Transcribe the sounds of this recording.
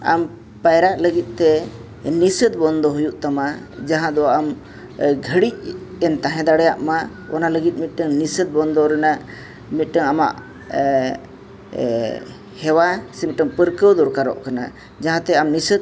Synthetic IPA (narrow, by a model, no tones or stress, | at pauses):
a̰m | pajɾaʔləɡit̪̚t̪ɛ | nisəd̪̚bɔnd̪ɔɦujuʔt̪ama | d͡ʒaɦãd̪ɔam | ɡʱəɽic̚ɛnt̪aɦɛ̃d̪aɽɛjaʔma | ɔ̰naləɡit̪̚mit̪̚ʈəŋnisəd̪̚bɔnd̪ɔɾɛna | mit̪̚ˀʈəŋama̰ʔ | hɛwasɛmit̪̚ʈəŋpəɾkəwd̪ɔɾkaɾɔ̰ʔkana̰ | d͡ʒaɦãt̪ɛamnisəd̪̚